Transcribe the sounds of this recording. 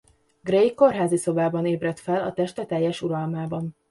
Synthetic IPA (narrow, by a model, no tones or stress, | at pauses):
ɡrejko̞rɦaːziso̞baːbɒneːbrɛt̪fɛlɒ̰t̪ɛʃt̪ɛt̪ɛjːɛʃuɾɒlmaːbɒn